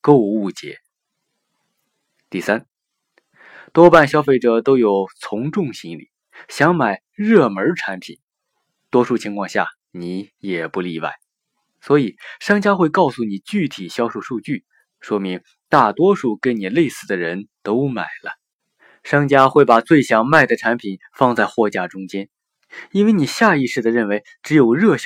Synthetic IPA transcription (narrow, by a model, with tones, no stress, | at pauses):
ko˥˧ʊu˥˩t͡ɕjɛ̰˧˥ | t̪i˥˩sa˥n | t̪wɔ˥pa˥˩nɕjɑ˥ʊfe˥˩ɪʈ͡ʂɤ˨˩t̪o˥ʊjo˨˩ʊt͡sʰʊ˧˥ŋʈ͡ʂʊ˥˩ŋɕi˥ŋlḭ˨˩˦ | ɕjɑ˧˥ŋma˨˩ɪ | ɻɤ˥˩mə˞˧˥ʈ͡ʂʰa˧˥npʰḭ˨˩˦n | t̪wɔ˥ʂu˥˩t͡ɕʰi˧˥ŋkʰwɑ˥˧ŋɕja̰˥˩ | ni˧˥jɛ˨˩pu˧˥li˥˧wa̰˥˩ɪ | swɔ˧˥i˨˩ʂɑ˥ŋt͡ɕja˥xwe˥˧ɪkɑ˥˩ʊsu˥˩ni˨˩t͡ɕy˥˩t̪ʰi˨˩ɕjɑ˥ʊʂu˥˩ʂu˥˧t͡ɕy˥˩ | ʂwɔ˥mi˧˥ŋ | t̪a˥˩t̪wɔ˥ʂu˥˩ke˥ɪni˨˩le˥˧ɪsɹ̩˥˩d̪ə˩ɻə˧˥nt̪o˥ʊma̰˨˩ɪlə˦ | ʂɑ˥ŋt͡ɕja˥xwe˥˩ɪpa˨˩t͡swe˥˩ɪɕjɑ˨˩ŋma˥˩ɪd̪ə˩ʈ͡ʂʰa˧˥npʰi˨˩n | fɑ˥˧ŋt͡sa˥˧ɪxwɔ˥˧t͡ɕja˥˩ʈ͡ʂʊ˥ŋt͡ɕjɛ˥n | i˥nwe˥˩ɪni˨˩ɕja˥˧i˥˧ʂɻ̩˥˩d̪ə˩ɻə˥˩nwe˧˥ɪʈ͡ʂɻ̩˧˥jo˨˩ʊɻɤ˥˩ɕ